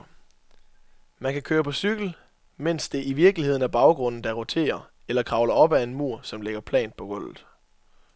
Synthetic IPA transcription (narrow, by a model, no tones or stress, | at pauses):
mænkʰækʰøːɐpʰɒ̽syɡ̥l̩ | men̰sd̥e̝ʔiʋiɐɡ̥lie̝ð̰ˠn̩æɐb̥ɑ̈ʊɡ̥ʁɔ̽n̰n̩d̥ɑ̈ʁot͡sʰe̝̰ːɐ | elɐkʰʁɑ̈ʊlɐɒ̽b̥æe̝nmuɐ̰sɒ̽mleɡ̥ɐpʰlɛ̰ːn̥̚pʰɒ̽ɡ̥ɔ̽l̰ð̩ˠ